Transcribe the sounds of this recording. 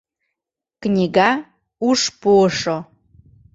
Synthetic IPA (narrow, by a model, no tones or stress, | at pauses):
knʲiɡa | uʂpoʂo